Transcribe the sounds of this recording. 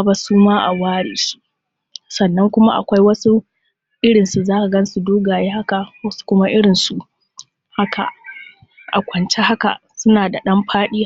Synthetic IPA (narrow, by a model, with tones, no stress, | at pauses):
a˦ba˦suː˦maː˦ʔa̰˨waː˦ɽeː˨su̥˦ | sɐ˨nːɐ˦ŋkʷʊ˦ma˦ʔa̰˨kʷa˦jwɐ˦su˦ | ʔɪ˦ɽɪ˨nsu˨zaː˦ka˨ɡɐ˦n˦su˨doː˦ɡaː˨jeː˦ha˦ka˨wɐ˦su̥˦kʷʊ˦ma˦ʔɪ˦ɽɪ˨nsu˨ʔ | ha˦kʰa̰˨ʔ | ʔa̰˨kʷɐ˨nt͡ʃe˦ha˦ka̰˨ʔsʊ˦naː˨da˨ɗɐ˦mɸʰaː˦ɗiː˦